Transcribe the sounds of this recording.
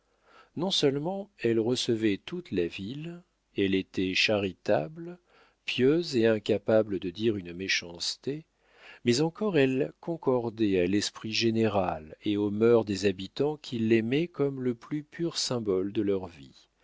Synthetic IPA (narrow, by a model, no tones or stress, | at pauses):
nɔ̃sœlmɑ̃ɛlʁəsəvɛt̪ut̪lavil | ɛlet̪ɛʃaʁit̪a̰bl | pjøzeɛ̃kapabləd̪əd̪iʁynmeʃɑ̃st̪e | mɛzɑ̃kɔʁɛlkɔ̃kɔʁd̪ɛalɛspχiʒeneʁaleomœʁd̪ezabit̪ɑ̃kʲʰilːɛmɛkɔmləplypʰyʁsɛ̃bɔld̪əlœʁvḭ